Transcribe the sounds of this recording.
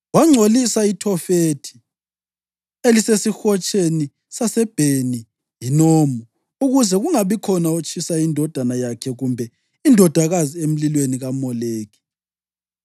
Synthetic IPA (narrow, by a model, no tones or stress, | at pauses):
waŋ͡ǀʱolisaitʰɔfetʰi̥ | elisesixɔt͡ʃʼeni | sasɛb̥ʱeni | jinoːmu | uɣuzɛɣuŋaβikʰɔnaut͡ʃʼʰisaindʱɔd̥ʱanajakʰɛɣumbʱɛ | indʱɔd̥ʱaɣaziem̩lilweniɣamɔleːɣi̥